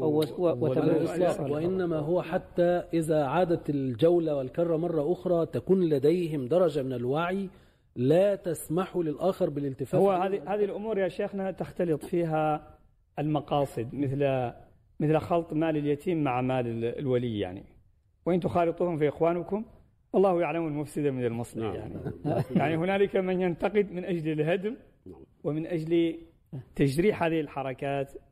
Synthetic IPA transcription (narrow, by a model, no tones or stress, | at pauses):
ʔsˤɑwɪʔɪnːamaɦʊwaħat̪ːaʔɪðaʕaːd̪at̪ɪld͡ʒawlawɪlkɑrˤːɑmɑrˤːɑʔʊxɾˤɑːt̪akuːnlad̪ajhɪmd̪ɑɾˤɑd͡ʒamɪnɪlwaʕi | laːt̪asmaħulɪlʔaːxɑɾˤbɪlɪlt̪ɪfaːwːahaːðihaːðilʔʊmuːɾjaʃeːxnat̪axt̪ɑlɨt̪ˤfiːɦa | ɪlmɑqɑːsˤɨd̪mɪθl | mɪθlxɑlt̪ˤmaːlɪljat̪ʰiːmːaʕamaːlɪlwalɪːa̰ʕnḭ | wʔɪnt̪ʊxɑːlɨt̪ˤuːhʊmfiʔɪxwaːnʊkʊm | wɑlˤːɑːhjaʕlamlmʊfsɪd̪amɪnalmɑsˤlḭja̰ʕnḭjaʕnihʊnaːlɪkamɪnjant̪ɑqɨd̪mɪnʔad͡ʒlɪlɦad̪m | wɪmɪnʔad͡ʒli | t̪aʃɾiːħhaːðɪhɪlħɑɾˤɑkaːt̪